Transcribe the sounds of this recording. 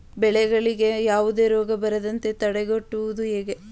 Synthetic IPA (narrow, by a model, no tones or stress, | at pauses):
bɛɭɛɡɐɭiɡe̞jaːʋud̪e̞ːɾɔːɡɐbɐɾɐd̪ɐnt̪e̞t̪ɐɽeɡoʈːuʋud̪uɦeːɡe